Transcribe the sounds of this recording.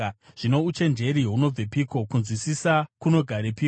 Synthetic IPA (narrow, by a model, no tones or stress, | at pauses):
ʐ̥ino̞ut͡ʃe̞nd͡ʒe̞ɾiɦuno̞b͡vepiko̞kunzwisisakuno̞ɡʱaɾepi